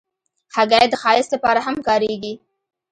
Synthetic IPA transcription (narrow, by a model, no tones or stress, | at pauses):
haɡɑjd̪əxɑjɪslapɑɾaɦamkɑɾeɡi